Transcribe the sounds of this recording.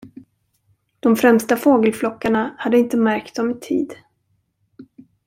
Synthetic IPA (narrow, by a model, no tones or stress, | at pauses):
d̪̥ɔmfɾɛmst̪afoːɡəlflɔkːaɳahad̪ːəɪnt̪əmæɾk̚t̪̚d̪ɔmɪt̪ʰḭːd̪